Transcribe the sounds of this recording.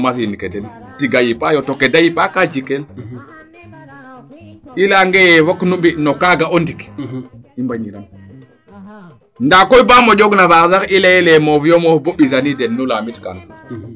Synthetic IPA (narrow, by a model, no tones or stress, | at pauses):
masinikedɛn | tiɡajipajɔtokedajipakad͡ʒikel | ilaŋɡɛjɛwaknubinɔkaɡaondik | imbaɲiɾam | ndakɔjbamɔɟɔɡnafaɾzaxilajɛlɛmɔfjɔmɔfboɓizanidɛnːulamitka̰n